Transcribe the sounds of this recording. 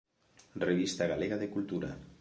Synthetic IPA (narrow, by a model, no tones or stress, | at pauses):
reβist̪aɣaleɣaðekulˠt̪uɾa̰